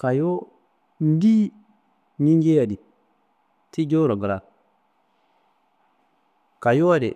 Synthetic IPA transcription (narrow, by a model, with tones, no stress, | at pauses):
ka˨jo˦ | n̩˦di˦ | ɲi˦ŋɡe˦ja˨di˨ | ti˦d͡ʒo˦ɾo˨ɡɾa˨k̚ | ka˨jo˦a˦dḛ˨